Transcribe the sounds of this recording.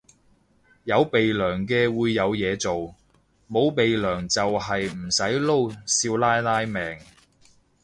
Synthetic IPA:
jɐ˨˧wpe˨jlœː˨˩ŋk̬ɛː˧wuː˨˧jːɐ˨˧wjɛː˨˧t͡so˨w | mo˨˧wpe˨jlœː˨˩ŋt͡sɐ˨wɦɐ˨jm̩˨˩sɐ˨˥jlo˥wsiː˧wlaː˥jlaː˥jmɛː˨ŋ

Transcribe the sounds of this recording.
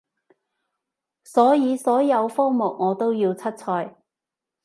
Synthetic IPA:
sɔː˨˥jiː˨˧sɔː˨˥jɐ˨˧wfɔː˥ŋmʊ˨˩k̚ŋɔː˨˧t̪o˥wjiː˧wt͡sʰɐ˥t̚t͡sʰɔː˧j

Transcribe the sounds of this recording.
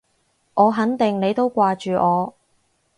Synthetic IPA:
ʔɔː˨˧ɦɐ˨˥nt̪ɪ˨ŋne˨˧jt̪o˥wkʷaː˧t͡ʃyː˨ʔɔː˨˧

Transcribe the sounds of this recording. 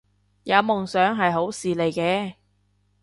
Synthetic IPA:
jɐ˨˧wmʊ˨˩ŋsœː˨˥ŋɦɐ˨jɦo˨˥wsiː˨le˨˩jkɛː˧

